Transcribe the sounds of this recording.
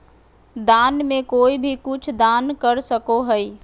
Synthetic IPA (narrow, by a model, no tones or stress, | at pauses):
d̪anmẽkoːibʱikʊt͡ʃʰd̪ankəɾsəkoɦəi